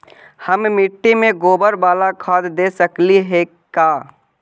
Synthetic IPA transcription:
həmmɪʈːimẽɡoːbəɾbaːlakʰaːd̪d̪eːsəkliɦe | kaː

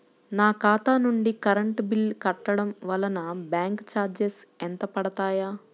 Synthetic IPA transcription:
naːkaːt̪aːnuɳɖikɐɾɐɳʈbilkɐʈːɐɽɐmʋɐlɐnɐbjaːŋkt͡ʃaːɾd͡ʒesɛnt̪ɐpɐɽɐt̪aːjaː

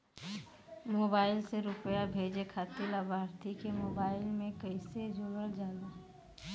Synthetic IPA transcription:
moːbaːɪlseɾʊpəjabʱeːd͡ʒekʰaːt̪ɪləbʱaːɾt̪ʰikemoːbaːɪlmẽkəɪsed͡ʒoɡəɽd͡ʒaːlu

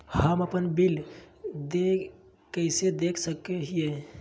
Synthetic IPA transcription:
həməpənbild̪e | kəɪsed̪ekʰsəkːeɦije

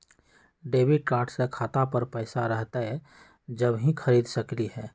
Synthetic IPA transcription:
ɖeːbɪɖ̚kaːɾʈsekʰaːt̪apəɾpɛːsaɾəɦt̪aɦɛ | d͡ʒɐbɦĩkʰɐɾiːd̪sɐkliɦɛː

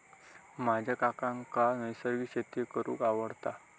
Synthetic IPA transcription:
mad͡ʑʱakakãŋkanəjsəɾɡiːɕet̪jekəɾṵːkaʋəɽt̪a

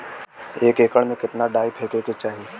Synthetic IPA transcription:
eːkeːkəɽmẽkɪt̪naɖaːipʰeːkeːket͡ʃaːɦieː

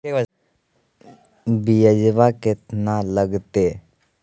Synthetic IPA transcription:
bijəd͡ʒʋakɪt̪naləɡt̪eː

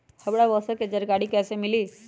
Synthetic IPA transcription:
həʋɽaʋəsəked͡ʒəɾɡaɽiːkɛsemiliː

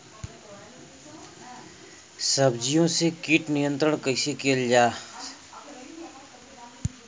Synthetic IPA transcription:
səbd͡ʒijõsekiʈnijə̃nt̪ɾəɳkəɪsekeld͡ʒaː

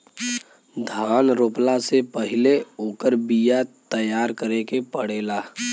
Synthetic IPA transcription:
d̪ʱaːnɾoːplasepəɦɪleoːkəɾbijat̪əjaːɾkəɾẽkepəɽeːlaː

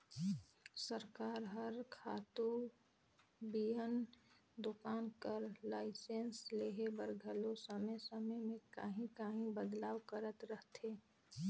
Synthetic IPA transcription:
səɾkaːɾɦəɾkʰaːt̪u | biɦənd̪ʊkaːnkəɾlaːɪsensleːɦebəɾɡʱəlosəməjsəməjmẽkəɦĩkaɦĩbəd̪laːwkəɾət̪ɾəɦt̪eː

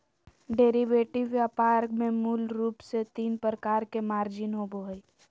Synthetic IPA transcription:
ɖeːɾiʋeːʈiʋjaːpaːɾɡmẽmulɾuːpset̪iːnpɾəkaːɾkemaːɾd͡ʒɪnɦoboɦəi

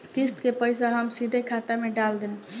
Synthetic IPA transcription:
kist̪kepəjsaɦəmsid̪ʱekʰat̪ameɖald̪ɛn

